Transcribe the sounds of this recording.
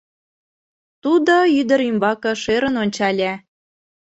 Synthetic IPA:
t̪ud̪oyd̪ə̆ɾimbɑkɤ̆ʃeɾə̆nonʲt͡ɕɑlʲæ

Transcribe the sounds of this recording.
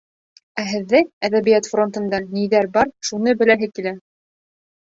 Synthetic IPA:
æɦɘ̆ðːɘæðæβijæt̪fro̞nt̪ɤ̆nd̪ɑniðæɾbɑɾʃunɤbɘ̆læɦɘkilæ

